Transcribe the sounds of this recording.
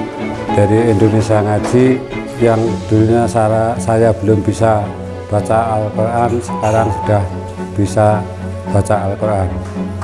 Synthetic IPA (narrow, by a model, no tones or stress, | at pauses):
d̥a̤ɾiind̪onesiaŋḁd͡ʒ̥i̤ | jaŋd̪̥uniɲasasajab̥ə̤lʊmb̥isa | b̥a̤t͡ʃaːlkoɾʔansə̥kaɾaŋsud̥a̤h | b̥isa | b̥at͡ʃaːlkoɾan